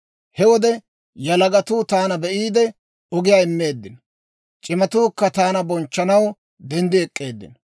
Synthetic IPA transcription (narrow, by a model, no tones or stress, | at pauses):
hɛwɔd̪ɛ | jɐlɐɡɐt̪uːt̪aːnɐbɛʔiːd̪ɛ | ɔɡɪjaːɪmːe̞ːd̪ːɪn | t͡ʃʼɪmɐt̪uːkːɐt̪aːnɐbɔnt͡ʃːɐnɐw | d̪ɛnd̪ɪɛkʼːe̞ːd̪ːɪ̰n